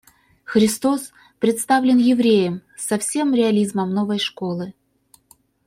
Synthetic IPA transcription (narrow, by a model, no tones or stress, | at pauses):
xɾʲɪst̪o̞s | pɾʲɪt̪st̪avlʲɪnjɪvɾʲejəm | sɐfsʲe̞mɾʲɪɐlʲizməmno̞vɐjʂko̞lˠɨ